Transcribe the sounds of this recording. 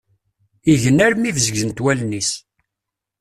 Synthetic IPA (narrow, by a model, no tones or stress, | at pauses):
iʝənːæɾmivzəɡzənt̪wælnis